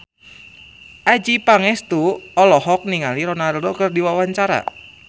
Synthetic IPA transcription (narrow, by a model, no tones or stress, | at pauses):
ʔad͡ʒipaŋɛst̪uɔlɔhɔk̚niŋaliɾonardokərdiwawaɲt͡ʃaɾa̰